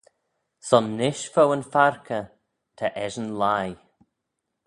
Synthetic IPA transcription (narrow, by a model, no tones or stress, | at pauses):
sɔnːɪʃfowənfaɹkʰə | t̪ʰaʔɛʒənlaj